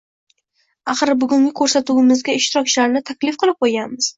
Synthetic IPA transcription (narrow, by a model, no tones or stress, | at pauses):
aχɨɾbʊɡʊŋʲɪkʲʰɵɾsat̪uwɪmɪzɡʲaɪʃt̪ɪɾɒk̚ʲt͡ʃʰɪlaɾnɪt̪ʰakʲlɪfqʰɨlˠɪp̚qʰojɡʲanmɪz̥